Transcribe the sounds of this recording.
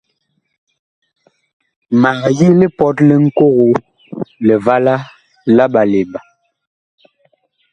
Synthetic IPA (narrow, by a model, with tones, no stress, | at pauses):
ma˨ɣji˦li˦pɔ˦tlɛ˦ŋ̩˦ko˦ɣo˦ | lɛ˨va˦la˦ | la˦ɓa˨le˨ba˨